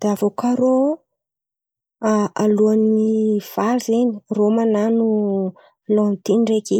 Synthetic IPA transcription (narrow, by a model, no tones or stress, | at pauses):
d̪̥eavokʰaɾo | aluaniv̥aɾzeni̥romananu | lɔ̃nt̪inreke